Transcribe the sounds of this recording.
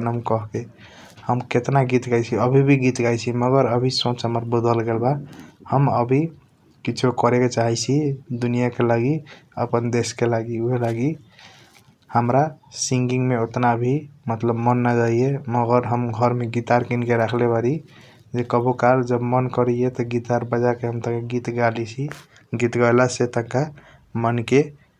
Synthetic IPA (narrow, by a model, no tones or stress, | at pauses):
nəmkəɦke | həmket̪naɡit̪ɡajt͡ʃʰiəbʱibʱiɡit̪ɡajt͡ʃʰiməɡəɾəbʱisõt͡ʃɦəməɾbəd̪əlɡelbahəməbʱi | kit͡ʃʰokəɾeket͡ʃaɦɛt͡ʃʰid̪unijakelaɡiəpənd̪eskelaɡiuɦelaɡi | həmɾasĩŋɡiŋɡmeot̪nabʱimət̪ləbmənːad͡ʒaijeməɡəɾɦəmɡʱəɾmeɡit̪aɾkinkeɾakʰlebaɾi | d͡ʒekəbʱokald͡ʒəbmənkəɾɛjet̪ɔɡit̪aɾbəd͡ʒakeɦəmt̪əkaɡit̪ɡalit͡ʃʰi | ɡit̪ɡəjlaset̪ə̃ka | mənke